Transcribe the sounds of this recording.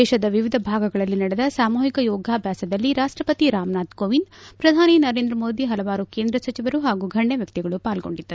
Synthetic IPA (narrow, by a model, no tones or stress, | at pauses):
ɛːʃɐd̪ɐʋiʋid̪ʱɐbʱaːɡɐɡɐɭɐlːinɐɽɛd̪ɐsaːmuːɦikɐjɔːɡʱaːbʱjaːsɐd̪ɐlːiɾaːʂʈɾɐpɐt̪iɾaːmnaːt̪koːʋinpɾɐd̪ʱaːninɐɾe̞ːnd̪ɾɐmo̞ːd̪iɦɐlɐʋaːɾukeːnd̪ɾɐsɐt͡ʃiʋɐɾuɦaːɡuɡʱɐɳːeʋjɐk̚t̪iɡɐɭupaːlɡo̞̰ɳɖid̪ːɐɾ